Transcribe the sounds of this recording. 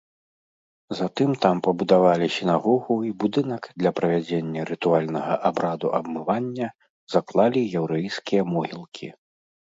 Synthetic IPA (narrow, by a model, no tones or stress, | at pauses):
zat̪ɨmt̪ampɐbud̪avalʲisʲinaɣɔɣuibud̪ɨnɐkd̪lʲɐpɾɐvʲad͡zʲenʲːɐɾɨt̪ualʲnɐɣɐ̰ʔabɾad̪uʔɐbmɨvanʲːɐ | zaklˠalʲijɛwɾɛjskʲijɐmɔɣʲilˠkʲʰḭ